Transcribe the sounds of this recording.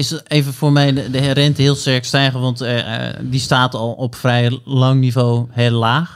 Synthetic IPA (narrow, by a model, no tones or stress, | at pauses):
ɪseːvənfoːɹmɛjdərɛntəɦɪəlˠstɛɹkstɛjɣəʋɑntdistaːtɔlˠɔpfrɛjlɑŋnivoːɦɪːlˠlaːx